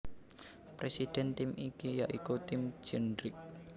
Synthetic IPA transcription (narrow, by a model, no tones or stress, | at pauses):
pɾesid̥ɛ̤nt̪imikijaʔikut̪ɪmd͡ʒ̥ɛndɾɪk̚